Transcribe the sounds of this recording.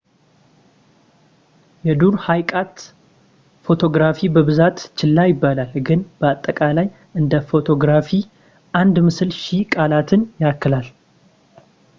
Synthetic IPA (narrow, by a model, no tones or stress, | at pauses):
jɛd̪uɾhajkʼat̪ | fo̞t̪ʰo̞ɡɾafibəβɨzat̪t͡ʃɪlːajɪbːalalɡɨnb̥əat̪ʼːəkʼalaj | ʔɨnd̪əfo̞t̪ʰo̞ɡɾafi | ʔand̪mɨsɨlʃikʼalat̪ʰɨnjakːɨlal